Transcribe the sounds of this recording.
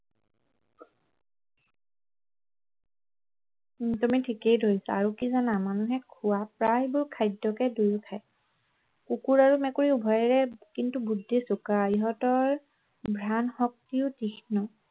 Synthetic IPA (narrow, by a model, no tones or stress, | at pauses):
tumitʰikejdʱojsaaɹukizanamanuɦɛkʰuwapɹajbʊɹkʰajdːɔkɛdujkʰaj | kukuɹaɹumɛkuɹiubʱɔjɛɹɛkintubudʱːisukaiɦɔtɔɹ | bʱɹanxɔk̚tiʊtixnɔ